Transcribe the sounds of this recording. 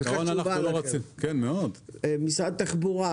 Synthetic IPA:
onanabauloʁot͡simkenmeod̪emisad̪̚t̪aχbuʁa

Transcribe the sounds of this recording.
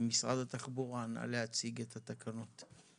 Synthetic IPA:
misʁa̰d̪at̪aχbuʁanʔa̰lehat͡siɡet̪ʰat̪akʰanot̪

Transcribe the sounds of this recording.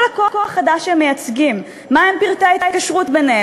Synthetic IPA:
lakoakoaχːad̪aʃemːejat͡sɡimː | aempiʁt̪aiajkaʃʁutbenee

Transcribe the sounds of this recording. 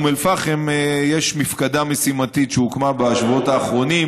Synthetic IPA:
melfaχemejeʃmifkad̪amesimat̪it̪ʃeukmabaʃvuo̞taːχʁo̞nim

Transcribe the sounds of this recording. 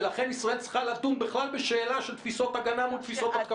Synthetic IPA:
laχe̞nisʁae̞lt͡sχalat̪umbeχlalbeʃe̞ːlaʃelt̪fiso̞t̪aɡanamult̪fiso̞t̪at̪k

